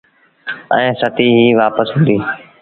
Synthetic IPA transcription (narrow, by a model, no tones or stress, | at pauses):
ɛ̰̃ːsət̪iːɦiːʋaːpəsɦʊ̃nd̪iː